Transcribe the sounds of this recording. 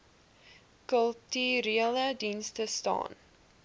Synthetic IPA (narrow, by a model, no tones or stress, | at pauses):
kəlˠtyɾiələdinstəstɑ̰ːn